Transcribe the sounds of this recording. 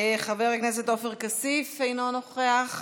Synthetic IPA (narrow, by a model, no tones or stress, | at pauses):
χaveʁaknes̬et̪ofeʁkasifejnonoχeaχ